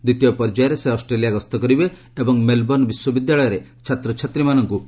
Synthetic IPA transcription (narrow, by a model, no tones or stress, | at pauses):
d̪it̪ijɔpɔɾd͡ʒajɾeseɔsʈɾelijaɡɔst̪ɔkɔɾibeː | bɔŋmelbɔnbiswɔbid̪jaɭɔjɔɾet͡ʃʰat̪ɾɔt͡ʃʰat̪ɾimanɔŋku